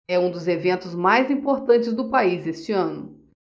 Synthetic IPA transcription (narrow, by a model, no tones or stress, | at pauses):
ɛũd̪ʊzevẽnt̪ʊzmajzĩpoɾt̪ɐ̃nt͡ʃɪzd̪ʊpaizest͡ʃɪɐ̃nʊ